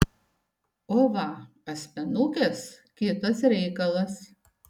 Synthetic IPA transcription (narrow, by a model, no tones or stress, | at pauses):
oːʋɐ | ɐsʲmʲɛnukʲes | kʲɪt̪ɐsɾʲɛɪkɐlˠɐs